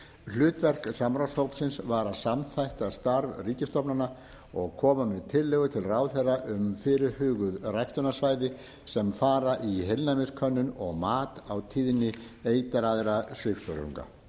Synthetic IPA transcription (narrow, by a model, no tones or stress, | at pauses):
l̥ʏːt̪vɛr̥ksamɾawshowpsɪnsvaːɾasamθajht̪ast̪aɾvriːcɪst̪ɔpnana | ɔɣkʰɔːmamɛðt̪ʰɪlːɛɣʏt̪ʰɪlraːwθeraʔʏmfɪːɾɪɾhʏːɣʏðrajht̪ʏnasvaːjðɪ | sɛmfaːɾaʔiɦejlnamɪskʰœnːʏnɔɣmaːt̪awt̪ʰiːðnɪeːjt̪aɾaðɾasʏxt̪œɾʏ̰ŋka̰